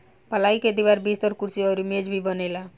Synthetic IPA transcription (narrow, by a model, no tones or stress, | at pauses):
pəlaiked̪iwaɾbist̪ɔɾkuɾt͡ʃiɔɾimed͡ʒbʱibʌnela